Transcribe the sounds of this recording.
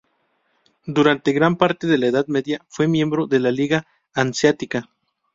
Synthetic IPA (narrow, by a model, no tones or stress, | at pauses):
d̪uɾant̪e̞ɣɾampaɾt̪e̞ðe̞laeðaðmeðjafwe̞mjẽ̞mbɾoðe̞laliɣaː | nsjat̪ika